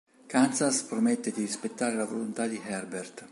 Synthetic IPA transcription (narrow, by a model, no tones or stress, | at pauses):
kant̪saspɾomɛt̪ːed̪irispet̪ːaːɾelavolont̪ad̪iɦɛrbert̪